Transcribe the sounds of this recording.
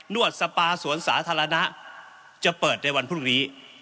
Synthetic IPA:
nu˥˩ət̪̚sa˧paː˧su˨˩˦ənsa̰ː˩˦t̪ʰaː˧ɾa˧na˦˥ʔ | t͡ɕa˨˩pɤː˨˩t̪̚na˧˩jwa˧npʰuː˥˩niː˦˥

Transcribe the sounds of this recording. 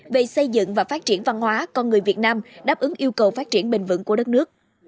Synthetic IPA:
ve˨˩sə˧jzɨ̰˧˨ŋvaː˨˩faː˦˥t̚t͡ɕi˧˩ənva˧nhwaː˨˦kɔ˧nŋɨ˨˩əjvi˨˩t̚naː˧mɗaː˦˥p̚ʔɨ˨˦ŋʔi˧əwkə˨˩wfaː˦˥t̚t͡ɕi˧˩ənɓï˨˩ŋ̟vɨ̰˧˥nku˧˩əɗə˦˥t̚nɨ˦˥ək̚

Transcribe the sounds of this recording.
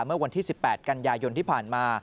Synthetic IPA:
mɯ˥˩ɐwa˧nt̪ʰiː˥˩si˨˩pːɛː˨˩t̪̚ka˧njaː˧jo˧nt̪ʰiː˥˩pʰaː˨˩nmaː˧

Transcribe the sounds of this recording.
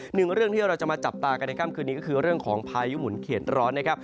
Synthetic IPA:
nɯ˨˩ŋɾɯ˥˩əŋt̪ʰiː˥˩ɾa˧wt͡ɕa˨˩maː˧t͡ɕa˨˩p̚t̪aː˧ka˧nːa˧jkʰa˥˩mkʰɯː˧niː˦˥kɔ˥˩kʰɯː˧ɾɯ˥˩əŋkʰɔː˩˦ŋpʰaː˧ju˦˥mu˨˩˦nkʰeː˨˩t̪̚ɾɔː˦˥nːa˥kʰa˦˥p̚

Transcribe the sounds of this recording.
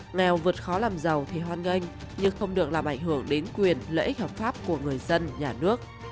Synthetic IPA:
ŋɛ˨˩wvɨ˨˩ət̚xɔ˨˦laː˨˩mzə˨˩wt̪ʰi˨˩ɦwaː˧nŋə˧jŋ̟ | ɲɨ˧ŋxə˧wŋ͡mɗɨ˨˩ək̚laː˨˩mʔa˧˩jŋ̟ɦɨ˧˩əŋɗe˨˦nkwi˨˩ənlə̰˧˥ʔi˦˥k̚hɔ˨˩p̚faː˦˥p̚ku˧˩əŋɨ˨˩əjzə˧nɲaː˨˩nɨ˦˥ək̚

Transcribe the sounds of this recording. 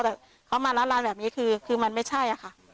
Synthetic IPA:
t̪ɛː˨˩ | kʰa˦˥wmaː˧la˦˥nlaː˦˥nbɛː˨˩p̚niː˦˥kʰɯː˧kʰɯː˧ma˧nma˥˩jt͡ɕʰa˥˩jʔa˨˩kʰa˥˩

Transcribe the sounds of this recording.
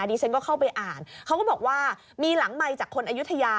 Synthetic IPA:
a˧diː˧t͡ɕʰa˦˥nkɔː˥˩kʰa˥˩wpa˧jʔaː˨˩nkʰa˦˥wkɔː˥˩bɔː˨˩k̚waː˥˩ | miː˧la˨˩˦ŋma˧jt͡ɕaː˨˩kʰːo˧nʔaː˧ju˦˥t̪ʰa˧jaː˧

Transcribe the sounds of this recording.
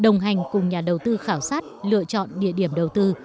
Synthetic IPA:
ɗə˨˩wŋ͡mɦa˨˩jŋ̟kʊ˨˩ŋ͡mɲaː˨˩ɗə˨˩wt̪ɨ˧xaː˧˩wsaː˦˥t̚lɨ̰˧˨ət͡ɕɔ̰˧˨nɗḭ˧˨əɗi˧˩əmɗə˨˩wt̪ɨ˧

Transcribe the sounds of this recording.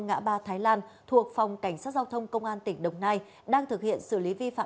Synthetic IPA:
ŋa̰ː˧˥ɓaː˧t̪ʰaː˨˦jlaː˧nt̪ʰu˨˩ək̚fa˨˩wŋ͡mka˧˩jŋ̟saː˦˥t̚zaː˧wt̪ʰə˧wŋ͡mkə˧wŋ͡mʔaː˧nt̪ï˧˩ŋ̟ɗə˨˩wŋ͡mnaː˧j | ɗaː˧ŋt̪ʰɨ˨˩k̚hḭ˧˨ənsɨ˧˩li˨˦vi˧fa̰ː˧˨

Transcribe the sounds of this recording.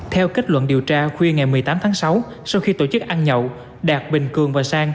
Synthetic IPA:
t̪ʰɛ˧wke˦˥k̟̚lwə̰˧˨nɗi˨˩əwt͡ɕaː˧xwi˧əŋa˨˩jmɨ˨˩əjt̪aː˨˦mt̪ʰaː˨˦ŋsa˨˦w | sa˧wxi˧t̪o˧˩t͡ɕɨ˦˥k̚ʔaː˧nɲə̰˧˨w | ɗaː˨˩k̚ɓï˨˩ŋ̟kɨ˨˩əŋvaː˨˩saː˧ŋ

